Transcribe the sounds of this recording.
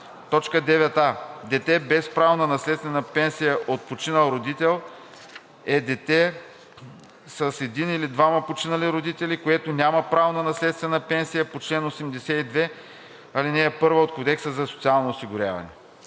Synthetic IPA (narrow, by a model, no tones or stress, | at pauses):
t̪ɔt͡ʃkəd̪ɛvɛt̪ad̪ɛt̪ɛbɛspɾavonənɐslɛt̪st̪vɛnəpɛnsijəʔot̪̚pot͡ʃinəlˠɾod̪it̪ɛlˠ | ɛd̪ɛt̪ɛ | səsɛd̪inilid̪vamɐpot͡ʃinəliɾod̪it̪ɛlikoɛt̪onʲamɐpɾavonɐnɐslɛt̪st̪vɛnəpɛnsijəpot͡ʃlɛnosɛmd̪ɛsɛid̪vɛ | ɐlinɛːpɤɾvəot̪kod̪ɛksəzɐso̥t̪sialˠnoːsiɡʊɾʲa̰vɐ̰nɛ̰